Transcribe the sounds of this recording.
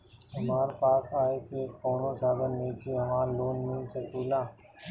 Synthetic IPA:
ɦəmaːɾpaːsaːeːk̪ʰieːkoːnõːsaːɡ̪ənːĩːt̪ʰiːɦəʋãːloːnmĩːsəkuːlãː

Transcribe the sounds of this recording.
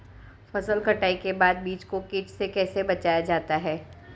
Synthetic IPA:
fɐsəlkɐʈaːikebaːd̪̚biːt͡ʃkokɪːt͡ʃsekɛːsebɐt͡ʃaːjad͡ʒaːt̪aɦɛː

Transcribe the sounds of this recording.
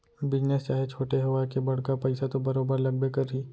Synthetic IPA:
bɪd͡ʒnest͡ʃaːɦet͡ʃʰoːʈeɦɐʋakebɐɽ̤kapɛɪsat̪obɐɾoːbəɾlɐɡ̚bekɐɾiː

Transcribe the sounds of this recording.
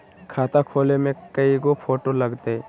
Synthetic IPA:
kʰaːt̪akʰoːlemẽkəiɡopʰoːʈoləɡt̪e

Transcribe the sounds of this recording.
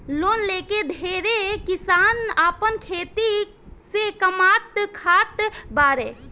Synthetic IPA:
loːnleked̪ʱeɾekisaːnaːpənkʰeːt̪i | sekəmat̪kʰaːt̪baɾe

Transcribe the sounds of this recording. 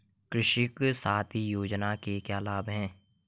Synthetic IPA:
kɾɪʃɪksaːt̪ʰijoːd͡ʒnakekjaːlaːbɦɛ̃ː

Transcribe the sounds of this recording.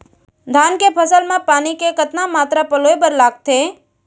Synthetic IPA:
d̪ʱaːnkepʰəsəlmãpaːnikekət̪namaːt̪ɾapəloːebəɾlaːɡ̚t̪ʰe

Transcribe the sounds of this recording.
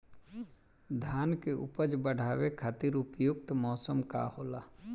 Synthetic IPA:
d̪ʱaːnkeʔʊ̰pəd͡ʒbəɽ̤ʱaːʋekʰaːt̪iːɾʊpjʊk̚t̪mɔːsəmka̰hoːlaː

